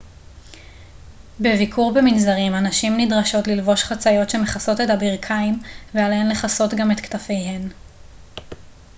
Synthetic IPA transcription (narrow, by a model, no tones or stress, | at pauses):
bevikʰuʁbeminzaʁimanaʃimnidʁaʃo̞tlilvo̞ʃχat͡sajo̞tʃe̞me̞χaso̞te̞tabiʁkʰaimvealhemle̞χaso̞tɡame̞t̪ktafe̞jɦe̞n